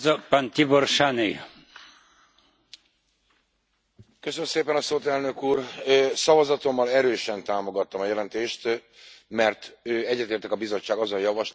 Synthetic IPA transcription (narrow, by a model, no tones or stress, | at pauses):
zɒpːant̪iborʃanḭ | køsønmseːpɛnɒsoːt̪ɛlnø̞kuːrøsɒvɒzɒt̪o̞mːɒlɛɾøːʃɛnt̪aːmo̞ɡɒt̪ːɒmɒjɛlɛnt̪eːʃt̪ | mɛrt̪øːɛɟːɛt̪eːrt̪ɛkɒbizo̞t͡ʃːaːɡɒzojɒvɒʃl